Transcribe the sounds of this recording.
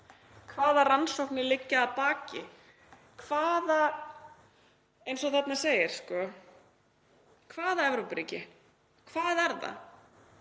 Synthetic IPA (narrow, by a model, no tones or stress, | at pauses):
kʰvaːðaransowhknɪlɪcːaːðpaːcɪ | kʰvaːða | ejnsɔθɛt̪naseːjɪɾ̥skɔ | kʰvaːðaɛvɾowpɾiːcɪ | kʰvaːðɛɾða̰